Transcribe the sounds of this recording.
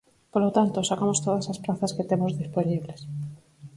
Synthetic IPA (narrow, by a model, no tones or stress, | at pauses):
polot̪ant̪osakamost̪oðɐsaspɾaθɐsket̪emozðisponiβles